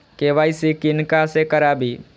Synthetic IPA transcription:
keʋaisikɪnkasekəɾabi

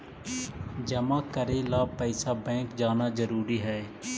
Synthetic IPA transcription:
d͡ʒəmãːkəɾeːlaːpɛːsaːbɛ̃ːkd͡ʒaːnaːzəɾuːɾiːɦɛː

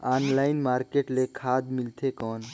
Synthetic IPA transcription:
aːnlaːɪnmaːɾkeːʈlekʰaːd̪milt̪ʰekɔːn

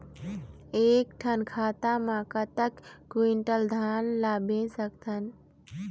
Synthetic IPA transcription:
ekʈʰənkʰat̪amãkət̪əkːwiɳʈəld̪ʱanlabẽsəkt̪ʰən

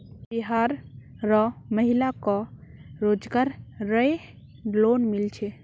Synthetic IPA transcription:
biɦaɾ | ɾɔməɦilakɔɾod͡ʒɡaɾɾəe | lonmilt͡ʃʰe

